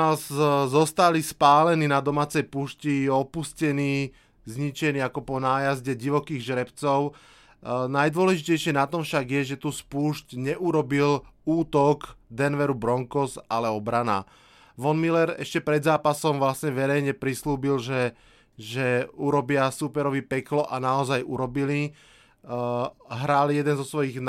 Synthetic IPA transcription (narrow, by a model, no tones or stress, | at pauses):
aszɔst̪alispaːlɛniːnad̪ɔmaːt͡sɛjpuːʃcijɛɔpuscɛniː | zɲit͡ʃɛniːakɔpɔnaːjazɟɛɟiʋɔkiːɣʒɾɛpt͡sɔʊ | najd̪ʊɔlɛʒicɛjʃɪɛnat̪ɔmfʃaɡjɛʒɛt̪uːspuːʃcɲɛʔuɾɔbiluːt̪ɔɡd̪ɛnʋɛɾubɾɔŋkɔsalɛɔbɾana̰ | ʋɔnmilɛɾɛ̰ʃcɛpɾɛd̪zaːpasɔmʋlasɲɛʋɛɾɛjɲɛpɾisluːbilʒɛ | ʒɛuɾɔbɪasupɛɾɔʋipɛklɔʔanaɔzajuɾɔbili | ɦɾaːljɛd̪ɛnzɔsʋɔjiɣn